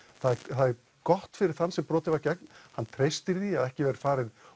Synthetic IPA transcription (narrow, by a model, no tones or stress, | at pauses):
θaðθað | kɔht̪fɪɾɪɾ̥θanːsɛmpɾɔːt̪ɪvaɾcɛk̚nhanːt̪ʰɾejst̪ɪɾðiaðɛhcɪvɛɾɪɾ̥faːɾɪð